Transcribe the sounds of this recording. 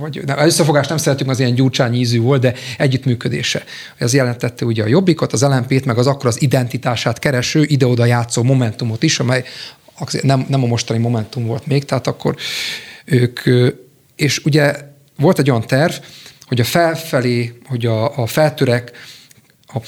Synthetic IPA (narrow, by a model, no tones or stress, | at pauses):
vɒɟnɛmɛzøsːɛfo̞ɡaːʃt̪nɛmsɛɾɛt̪ːyŋkɒzijɛɲɟuːrt͡ʃaːɲiːzyːvo̞ld̪d̪ɛɛɟːyt̪myːkø̞d̪ḛːʃɛ | oɟɛzjɛlɛnt̪ɛt̪ːɛuɟɛɒjo̞bːiko̞t̪ɒzɛlɛmpeːt̪mɛɡɒzɒkːoɾɒzid̪ɛnt̪it̪aːʃaːt̪kɛɾɛʃøːʔid̪ɛo̞d̪ɒjaːt̪soːmo̞mɛnt̪umo̞t̪iʃɒmɛjɒzḛnɛmnɛmɒmo̞ʃt̪ɒnimo̞mɛnt̪umvo̞lt̪meːkt̪ɛɦaːt̪ɒkʰːo̞̰ɾ | øːkʰø | eːʃuɟɛ | ʋo̞lt̪ɛɟːojɒnt̪ɛrvho̞ɟɒfɛlfɛleːho̞ɟɒːfɛlt̪øɾɛk | ɒ